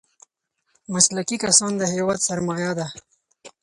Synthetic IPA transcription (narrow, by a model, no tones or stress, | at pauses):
maslakikasɑnd̪əɦeːwɑt̪sɐɾmɑːjad̪a